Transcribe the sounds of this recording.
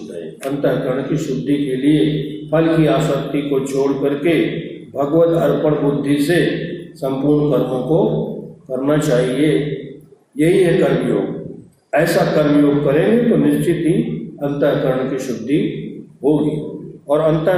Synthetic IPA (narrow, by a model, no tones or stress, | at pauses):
ɦɛ̰̃ɐ̃nt̪əɾkəɾəɳ̃kiʃʊd̪ʱːikeliepʰɐlkiaːsəkt̪ikot͡ʃʰoːɽkɐɾke | bʱɐɡwət̪ɐɾpəɽ̃bʊd̪ʱːisesɐ̃mpʊɾɳkəɾmõkokɐɾnat͡ʃaːɦie | jɐɦiɦɛkɐɾmjo̰ːɡ | ɛːsakɐɾmjoːɡ̚kɐɾẽɡet̪onɪʃt͡ʃɪt̪iɐ̃nt̪əɾkəɾəɳkiʃʊd̪ʱːiɦoːɡiːɔːɾɐ̃nt̪ə